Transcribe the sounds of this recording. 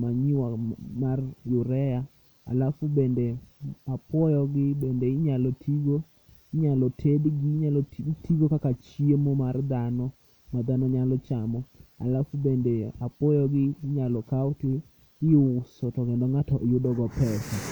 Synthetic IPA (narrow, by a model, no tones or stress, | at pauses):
maɲiwamarjʊɾɛja | a̰lafubendeapwɔjɔɡɪbendeɪɲalɔtʰiɡo | ɪɲalɔtʰedɡiɲalɔtʰiɡokakat͡ʃiemomard̪anɔ | mad̪anɔɲalɔt͡ʃamɔa̰lafubendeapɔjɔɡɪɲalɔkawʊtɪ | ɪʊsɔtɔɡɛndɔŋatɔjʊdɔɡɔpɛsa